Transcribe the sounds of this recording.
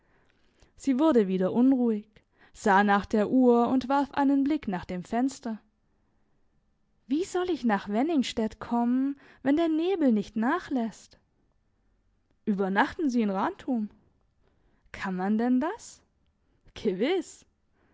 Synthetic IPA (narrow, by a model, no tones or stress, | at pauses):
z̥iːvʊɐdəviːdɐʔʊnʁuːɪç | z̥aːnaːχd̥eːɐʔuːɐʊntv̥aɐfʔa̰ɪnənblɪknaːχd̥eːmfɛnstɐ | v̥iːzɔlɪçnaːχv̥ɛnɪŋʃtɛtkʰɔmən | vɛndeːɐneːbl̩nɪçtnaːχlɛst | ʔyːbɐnaχtn̩ziːɪnʁaːntʰum | kʰanmandɛndas | ɡ̥əvɪs